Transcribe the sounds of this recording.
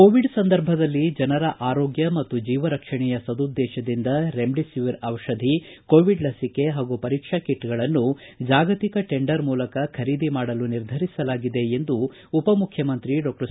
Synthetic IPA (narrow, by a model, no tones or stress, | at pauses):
koːʋiɖsɐnd̪ɐɾbʱɐd̪ɐlːid͡ʒɐnɐɾɐʔaːɾoːɡjɐmɐt̪ːud͡ʒiːʋɐɾɐkʂɐɳɛjɐsɐd̪ud̪ːɛːʃɐd̪ind̪ɐɾemɖisiʋiɾɐʋɐʃɐd̪ʱi | koːʋiɖlɐsike̞ɦaːɡupɐɾiːkʂakiʈːɡɐɭɐnːud͡ʒaːɡɐt̪ikɐʈe̞ɳɖɐɾmuːlɐkɐkʰɐɾiːd̪imaːɽɐluniɾd̪ʱɐɾisɐlaːɡid̪e̞end̪uː | pɐmukʰjɐmɐnt̪ɾiɖoːkɐs